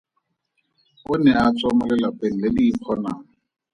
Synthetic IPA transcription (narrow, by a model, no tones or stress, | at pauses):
ʊnɛat͡sʼwamʊlɛlapʼeŋ̩lediːpʰɔnaːŋ̩